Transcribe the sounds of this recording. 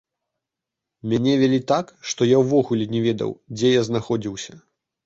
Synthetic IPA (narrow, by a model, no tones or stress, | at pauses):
mʲanʲɛvʲɛlʲit̪akʂt̪ɔjawvɔɣulʲɛnʲɛvʲɛd̪ɐ̰wd͡zʲɛjaznaxɔd͡zʲiwsʲɐ